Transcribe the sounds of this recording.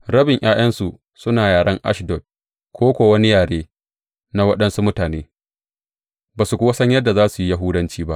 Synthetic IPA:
ɽɐ˦bɪ˨ɲʔaː˦j̰ɐ˦nsu˨ | sʊ˦naː˨jaː˨ɽɐ˦ŋʔa̰˦ʃdɔ˨d̚ | kʷʰoː˦kʷo˨wɐ˦ni˦jaː˨ɽeː˦ | na˦wɐ˦ɗɐ˦nsu˦mʊ˦taː˨neː˦ | baː˨su˨kʷʊ˦wa˦sɐ˦ɲjɐ˦dːa˨zaː˦su˨ji˦ja˦ɦuː˦dɐ˦nt͡ʃiː˦ba˦ʔ

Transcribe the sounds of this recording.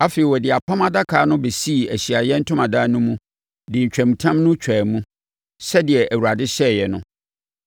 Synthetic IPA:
a˦fe˨i˨wɔ˨dɪ˨a˨pʰã˦ma˦da˦kʰaː˨˦nʊ̃˦be˨si˦˨æ˨ɕi˨a˨jɛ˦n̩˦tʰʊ̃˦mã˨daː˦nũ˦mũ˦ | dɪ˨ɲ̩˨t͡ɕᶣæ˨mũ˨tʰã˦mnʊ̃˦t͡ɕᶣʰɛ˨mũ˦ | sɛ˦dɪ˨ɛ˨ʔæ˨wu˨ɾa˨dɪ˦ɕɛ˦˨jɛ˨nʊ̃˦

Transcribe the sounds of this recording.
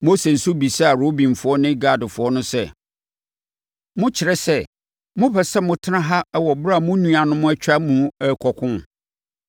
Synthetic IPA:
mo˦se˨n̩˨sʊ˦bi˨sa˦a˨ɾo˦bĩ˨m˨fʊ˨ɔ˦nɪ̃˦ɡa˦˨dɪ˨fʊ˨ɔ˦nʊ̃˦sɛ˦˨ | mʊ̃˦t͡ɕʰɪ˨ɾɛ˦sɛ˦ | mʊ̃˦pɛ˨sɛ˦mʊ̃˦tʰɪ˦nã˦ɦa˦ɛ˦wɔ˨bʊ˦ɾa˨mʊ̃˦nũ˦a˨nʊ̃˦mʊ̃˦æ˦t͡ɕᶣa˦mũ˦ɛ˦kʰɔ˨kʰʊ̃˦n

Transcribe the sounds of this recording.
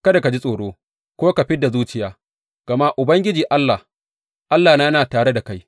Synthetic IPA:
kɐ˦da˨ka˨d͡ʒi˦sʼoː˨ɽoː˦ | kʷoː˦ka˨ɸɪ˦dːa˨zuː˦t͡ʃɪ˨jaː˦ | ɡ̥ɐ˨ma˦ʔʊ˨bɐ˦ŋɡʲɪ˦d͡ʒiː˨ʔa˦lːaː˨h | ʔa˦lːaː˨na˦naː˨taː˨ɽe˦da˨ka˦j

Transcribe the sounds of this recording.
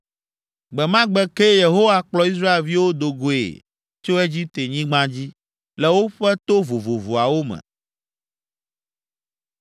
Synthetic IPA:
ɡ͡bɛ˨mã˦ɡ͡bɛ˦ke˦je˨ɦo˦wa˦k͡plɔ˨˦i˦s̬ɾa˦e˨lvi˦wo˦d̪o˨ɡo˨ḛ˨ | t͡ʃo˦ɛ˦d͡ʑi˦t̪e˨ɲĩ˦ɡ͡bã˦d͡ʑi˦ | lɛ˨wo˦ɸɛ˦t̪o˦vo˨vo˨vo˨a˨wo˦mɛ̰̃˨

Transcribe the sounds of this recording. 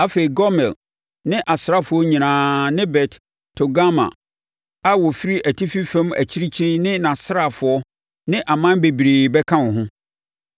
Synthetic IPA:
a˦fe˨i˨ɡɔ˦mɛ̰˨l | nɪ̃˦ʔa˨sɾa˦˨fʊ˨˦ɔ˦ɲĩ˨nãː˨˦nɪ̃˦bɛ˨t | tʰːo˨ɡa˦mã̰˨ | a˨wɔ˨fi˦ɾi˦ʔæ˨tʰi˦fi˦fɛ̃˦mæ̰˨t͡ɕʰɪ˦ɾi˦t͡ɕʰi˦ɾɪ˦nɪ̃˦nã˨sa˦˨fʊ˨ɔ˦ | nɪ̃˦ʔa˨mã˦nbe˨bɾeː˨bɛ˦kʰã˦nʊ̃˨ɦʊ̃˦

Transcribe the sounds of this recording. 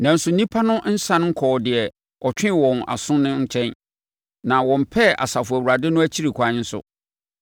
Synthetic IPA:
nã˨n̩˦sʊ˨nĩ˦pʰa˦nʊ̃˦n̩˦sã˦nŋ̩˦kʰɔː˨dɪ˨ɛ˨ | ɔ˨t͡ɕᶣɪ̃˦˨wɔ̃˨na̰˨sʊ̃˦nʊ̃˦ɲ̩˦t͡ɕʰɛ̃˦n | nã˨wɔ̃˨m̩˨pʰɛ˦˨ʔa̰˨sa˨fʊ˨æ˨wu˨ɾa˨dɪ˦nʊ̃˦æ˦t͡ɕʰi˦ɾi˨kʷʰã˨˦n̩˦sʊ̰˦˨

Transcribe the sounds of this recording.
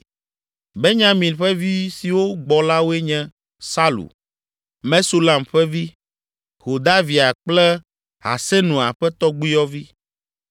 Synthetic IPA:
be˦ɲã˦mĩ˨lɸɛ˦vi˦si˨wo˦ɡ͡bɔ˨la˦wo˦e˦ɲɛ̃˦ | sa˦lṵ˨ | mɛ̃˦su˦la˨mɸɛ˦vi˦ | xo˨d̪a˦vi˨a˨k͡plɛ˦ | ɦa̰˨sɛ˦nũ˨a˨ɸɛ˦t̪ɔ˦ɡ͡bu˦jɔ˦vi˦

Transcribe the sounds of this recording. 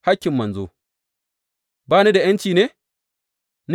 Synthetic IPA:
ha˦kʲːɪ˨mːɐ˨nzo̰ː˦ | baː˦ne˦da˨j̰ɐ˦nt͡ʃiː˨neː˦ | n

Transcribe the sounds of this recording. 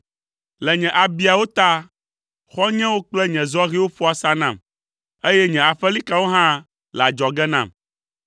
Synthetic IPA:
lɛ˨ɲɛ̃˨ʔa˨bi˦a˨wo˦t̪a˦ | xɔ˦ɲɛ̃˦wo˦k͡plɛ˦ɲɛ̃˨zɔ˦ɣi˦wo˦ɸɔ˦a˨sa˦nã˦˨m | e˦jɛ˦ɲɛ̃˨a˨ɸɛ˦li˦ka˦wo˦ɦã˦ | lɛ˨a˨d͡ʒɔ˨ɡɛ˦nã̰˦˨m

